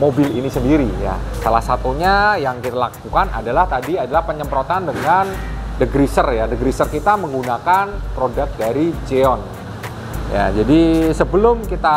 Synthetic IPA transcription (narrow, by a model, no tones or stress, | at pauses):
mobɪlḭnisəndiɾija̰salahsat̪uɲajaŋkit̪alak̚ukana̰dalaht̪adiadalahpəɲəmpɾot̪andəŋandəɡɾisərjadəɡɾisərkit̪aməŋɡunakanpɾodak̚daɾid͡ʒeɔn | ja̰d͡ʒadisəbəlʊmkit̪a